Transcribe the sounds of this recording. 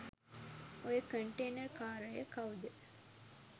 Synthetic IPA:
ojəkəɳʈeːnɐrkaːɾəjəkɐʋud̪ə

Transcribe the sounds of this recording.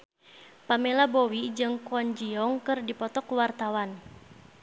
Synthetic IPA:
pamelabowid͡ʒɨŋkɔɲd͡ʒiɔŋkɨrdipɔt̪ɔkwart̪awan

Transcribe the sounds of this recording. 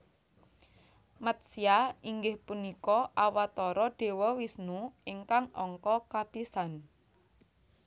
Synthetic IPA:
mət̪̚siaiŋɡɪhpunikɔʔawat̪ɔɾɔɖ̥e̤wɔwisnuiŋkaŋɔ̰ŋkɔkab̥isan

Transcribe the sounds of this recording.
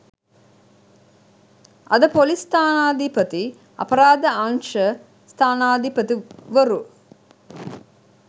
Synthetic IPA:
ɐd̪əpolist̪aːnaːd̪ipət̪i | ɐ̰pɐɾaːd̪əaŋʃə | st̪ʰaːnaːd̪ipət̪iʋəɾu

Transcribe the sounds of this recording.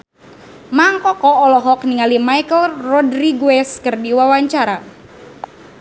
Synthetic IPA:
maŋkɔkɔɔlɔɦɔk̚niŋalimajkəlrɔdriɡuɛskɨrdiwawaɲt͡ʃaɾa

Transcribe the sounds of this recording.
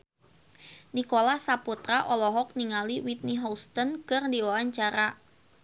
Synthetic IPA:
nikolahsaput̪ɾaʔɔlɔɦɔk̚niŋaliwit̪̚niɦɔst̪ənkɨrdiwaaɲt͡ʃaɾa

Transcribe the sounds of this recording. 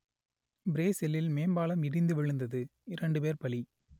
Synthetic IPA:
bɪɾeːsɪlɪlmeːmbaːlɐmɪɽɪnd̪ɯʋɪɻɯnd̪ɐðɯɪɾɐɳɖɯpeːɾpɐɭi

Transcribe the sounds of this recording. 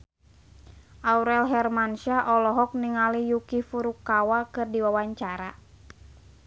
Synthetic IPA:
ʔauɾɛlɦɛrmanʃaʔɔlɔɦɔk̚niŋalijukifuɾukawakɨrdiwawaɲt͡ʃaɾa

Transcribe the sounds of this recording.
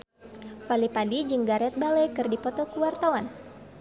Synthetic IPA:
falipadid͡ʒɨŋɡaɾɛt̪̚balɛjkɨrdipɔt̪ɔkuwart̪awan

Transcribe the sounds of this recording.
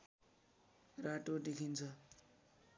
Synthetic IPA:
raʈodekʰint͡sʰʌ

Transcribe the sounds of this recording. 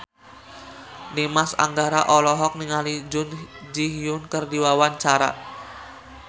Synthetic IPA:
nimasa̰ŋɡaɾaʔɔlɔɦɔk̚niŋalid͡ʒʊnd͡ʒiɦijʊnkərdiwawant͡ʃaɾa̰

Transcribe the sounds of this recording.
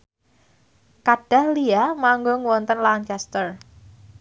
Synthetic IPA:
kaɖ̥a̤hliamaŋɡoŋwɔnt̪ənlant͡ʃɛst̪ər

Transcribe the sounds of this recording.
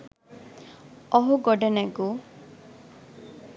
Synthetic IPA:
ɔɦuɡɔɖenaɡu

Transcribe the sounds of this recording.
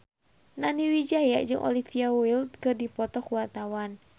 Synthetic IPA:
naniwid͡ʒajad͡ʒɨŋʔɔ̰lifiawild̪̚kɨrdipɔt̪ɔkuwart̪awan

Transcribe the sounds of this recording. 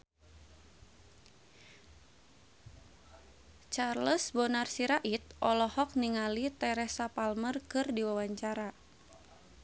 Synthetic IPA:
t͡ʃarləsbɔnarsiɾaʔit̪̚ʔɔlɔhɔk̚niŋalit̪ɛɾɛsapalmərkɨrdiwawaɲt͡ʃaɾa

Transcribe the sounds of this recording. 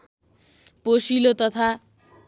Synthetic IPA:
posilot̪ʌt̪ʰa

